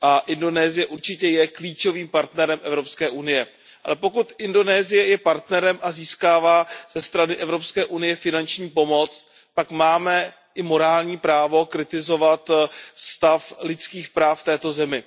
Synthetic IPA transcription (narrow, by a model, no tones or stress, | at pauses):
ʔaʔɪndo̞nɛːzɪjɛʔuɾt͡ʃɪcɛjɛkliːt͡ʃo̞viːmpaɾt̪nɛɾɛmʔɛvɾo̞pskɛːʔunɪjɛ | ʔa̰lɛpo̞kut̪ʔɪndo̞nɛːzɪjɛjɛpaɾt̪nɛɾɛmʔaziːskaːvaːz̥ɛst̪ɾanɪʔɛvɾo̞pskɛːʔunɪjɛfɪnant͡ʃɲiːpo̞mo̞t͡s | t̪akmaːmɛ | ʔɪmo̞ɾaːlɲiːpɾaːvo̞kɾɪt̪ɪzo̞vat̪st̪aflɪt͡skiːxpɾaːft̪ɛːt̪o̞zɛmɪ